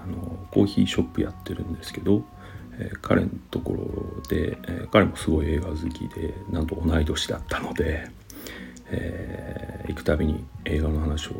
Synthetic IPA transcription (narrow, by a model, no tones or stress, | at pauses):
ano̞ko̞ːçiːɕo̞pːɯ̟ja̰t̪ːe̞ɾɯ̟̃nd̪e̞sɨ̥ke̞d̪o̞ | eːkʰa̰ɾe̞̰not̪o̞ko̞ɾo̰d̪̥e̞̰kaɾe̞mo̞sɨɡo̞ie̞ːɡazɨkʲḭd̪̥e̞̰nãnt̪o̞ːnaid̪o̞ɕi̥d̪a̰t̪ːḁno̞d̪e̞ | e | ikɯ̟̥t̪abʲiɲ̟ḭe̞ːɡanohanaɕio̞̰